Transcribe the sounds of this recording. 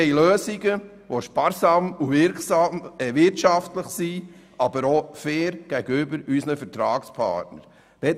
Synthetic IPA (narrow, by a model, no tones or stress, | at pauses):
ɛjløːsiɡə | ʋoʃpɑːɾsɑmuvɪɾksɑmɛʋɪɾtʃɑftləχsi | ɑbəɾofɛːɾɡ̥æɡəʏbəɾysnəfəɾtɾɑːkspʰɑ̰ːɾtnə̰ɾ | d̥ɛ